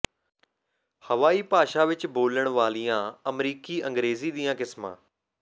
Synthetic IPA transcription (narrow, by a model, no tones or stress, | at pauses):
hɐʋaːiːpaːʃaʋɪt͡ʃboːləɽ̃ʋaːlijãɐmɾiːkiɐ̃ŋɡɾeːziɗ̪ijãːkɪsmã̰ː